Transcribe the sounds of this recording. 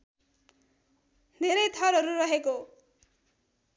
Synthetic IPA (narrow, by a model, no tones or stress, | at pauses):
d̪ʱeɾʌjt̪ʰʌɾɦʌɾuɾʌɦeko